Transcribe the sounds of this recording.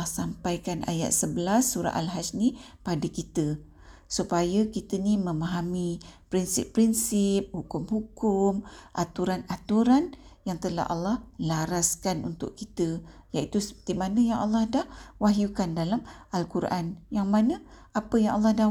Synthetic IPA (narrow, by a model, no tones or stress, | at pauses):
sampajkanʔa̰ja̰t̪̚səbəlasːuɾa̰ʔalɦad͡ʒni | padəkit̪ə | supajakit̪ənimə̃maɦamipɾinsɪ̰pːɾinsip̚hukʊmhukʊmʔa̰t̪uɾanat̪uɾan | jaŋt̪əla̰ɦʔɑlːɑhlaɾaskanunt̪ʊ̰ʔkit̪əjait̪usə̥pə̥t̪amanəjaŋʔɑ̰lːɑhdahwaɦjukandalamʔalkuɾʔanjaŋmanəapəjaŋʔalːɑhda